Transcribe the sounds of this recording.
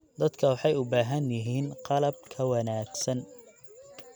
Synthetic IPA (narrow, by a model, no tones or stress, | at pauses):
d̪̥ɐd̪kʰɐwɑħɑjʊbaːɦɐnjɪɦiːnqɑlɐb̚kʰɐwɑnaːɡsɐn